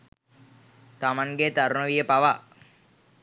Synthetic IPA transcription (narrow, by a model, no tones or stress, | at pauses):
t̪amaŋɡet̪aɾunəʋijəpaʋa